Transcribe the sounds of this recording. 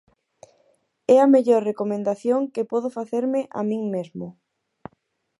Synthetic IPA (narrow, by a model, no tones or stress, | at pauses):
ɛameʎoɾrekomẽnd̪aθjoŋkepɔð̞ʊfaθeɾmɪʔa̰mĩŋmezmʊ